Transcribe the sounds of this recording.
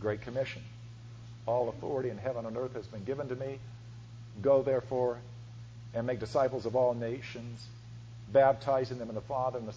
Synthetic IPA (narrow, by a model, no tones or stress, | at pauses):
ɡɹeɪt̚kʰɨmɪʃɨ̃n | ɔlˠəθɔ̰ɹɨɾiɨ̃nɦɛvə̃nə̃nɜ˞θhɨzbɨ̃nɡɪvə̃ntɨmi | ɡoʊðɛɹfɔɹ | ɨ̃nmeɪk̚d̥ɨsaɪpl̩ˠzʌvɔlˠneɪʃɨ̃nz̥ | bæb̚tʰaɪzɪ̃ŋðɨ̃mə̃nðəfɑðə˞ɨ̃nðə